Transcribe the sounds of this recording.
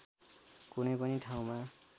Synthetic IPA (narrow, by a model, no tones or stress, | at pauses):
kunʌjpʌniʈʰaw̃ma